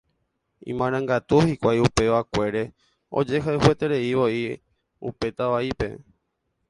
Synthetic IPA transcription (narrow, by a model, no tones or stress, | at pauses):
ḭ̃mãɾ̃ãŋɡat̪uhikʷajupe̞ʋakʷe̞ɾe̞ | o̰d͡ʒe̞ɦaɦwe̞t̪e̞ɾe̞iʋo̞i | ṵpe̞t̪aʋaipe̞̰